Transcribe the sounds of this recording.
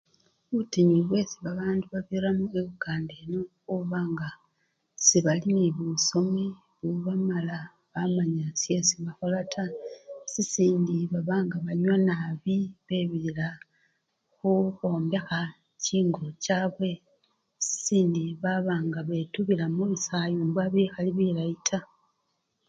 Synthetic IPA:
utiɲiβwe̞siβaβaːnduβaβiramueβuɡaːndeno | uβaːŋɡa | siβaliniβuso̞mi | βuβamala | βamaɲasiesiβaxolatʰasisiːndiβaβaːŋɡaβaɲwanaβiβeːβilila | xuxoːmbe̞xa | ciːŋɡocaːβwe̞ | si̥siːndiβaβaːŋɡaβe̞tuβilamuβisajombwaβixaliβilaitʰa

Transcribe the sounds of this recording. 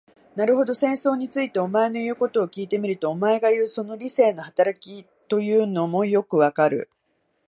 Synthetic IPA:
naɾɯ̟ɦo̞d̪o̞sẽ̞ɰ̃so̞ːɲ̟it͡sɨit̪e̞o̞mae̞no̞jɯ̟ːko̞t̪o̞ːkʲiːt̪e̞mʲiɾɯ̟t̪o̞ːmae̞ɡajɯ̟ːso̞no̞ɾʲise̞ːno̞hat̪aɾakʲi | t̪o̞jɯ̟ːno̞mo̞jo̞kɯ̟βakaɾɯ̟̰

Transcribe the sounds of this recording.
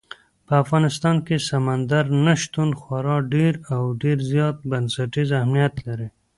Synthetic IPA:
pəafɣɑnɪst̪ɑnkesamand̪aɾnaʃt̪unxwaɾɑɖeɾawɖeɾzjɑt̪̚bansaʈizahmnijat̪laɾi

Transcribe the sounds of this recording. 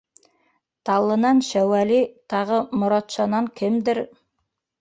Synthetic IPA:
t̪ʰɑlˠːɤ̆nɑnʃæwælit̪ʰɑʁɤmŏɾɑt̪ʃɑnɑŋkʲʰɘmd̪ɘɾ

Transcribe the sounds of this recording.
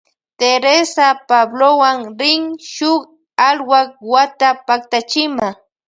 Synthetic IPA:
t̪eɾesapablowaŋɾɪŋʃʊk | alwak̚wat̪apak̚t̪at͡ʃɪma

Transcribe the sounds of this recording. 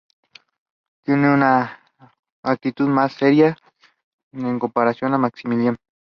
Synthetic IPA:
t̪jeneuna | k̚t̪it̪uðmasːeɾja | eŋkompaɾasjonamaksimiljan

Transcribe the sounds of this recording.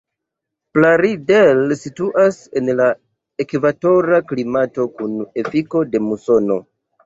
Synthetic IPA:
plaɾidelsituʔase̞nla | ekvato̞ɾaklimato̞kune̞fiko̞de̞muso̞no̞

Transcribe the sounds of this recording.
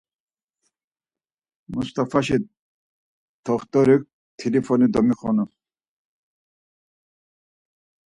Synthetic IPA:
must̪ʰʼafaʃi | t̪ʰɔχt̪ʼɔɾik̚ | t̪ʰilifʰɔnid̪ɔmiχɔnu

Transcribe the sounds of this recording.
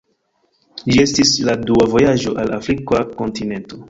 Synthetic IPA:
d͡ʒie̞stisladuavo̞jaʒo̞ʔalafɾikako̞ntine̞nto̞

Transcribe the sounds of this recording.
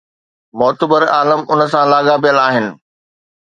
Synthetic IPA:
mɔːt̪əbəɾaːləmʊnə̆sãlaːɠapijəlaːɦɪnɪ̆

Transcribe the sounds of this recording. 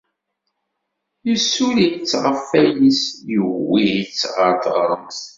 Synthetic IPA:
jəsulijt͡sːʁəfːæjisjəwːijit͡sːʁəɾd̪ʁəɾˤəmθ

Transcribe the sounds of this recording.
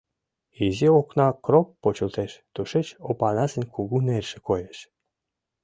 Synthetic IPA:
izioknɑkropːot͡ɕəlt̪eʃt̪uʃet͡ɕopɑnɑsə̆nʲkʰuɣunerʃĕ̥kojeʃ

